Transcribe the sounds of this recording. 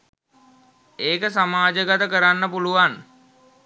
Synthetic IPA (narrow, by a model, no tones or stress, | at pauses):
eːkəsamaːd͡ʒəɡat̪əkəɾanːəpuluʋan